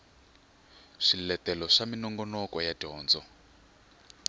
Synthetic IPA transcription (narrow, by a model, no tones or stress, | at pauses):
ʂilɛtɛlɔʂaminɔŋɡɔnɔkɔjadiɔːnd͡zɔ